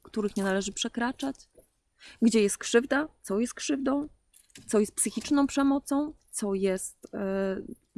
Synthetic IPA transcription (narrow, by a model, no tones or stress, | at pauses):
kt̪uɾɘxɲɛnalɛʐɘpʂɛkɾat͡ʂat͡ɕ | ɡd͡ʑɛjɛst̪̚kʂɘvd̪at̪sɔjɛst̪kʂɘvd̪ɔ̃w̃ | t̪sɔjɛst̪̚psɘxʲit͡ʂnɔ̃w̃pʂɛmɔt̪sɔ̃w̃t̪sɔjɛst̪